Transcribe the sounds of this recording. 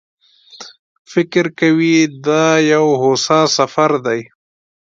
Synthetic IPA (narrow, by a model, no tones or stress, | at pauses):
fɪkɾkawid̪ɑjawɦosɑsafaɾd̪aj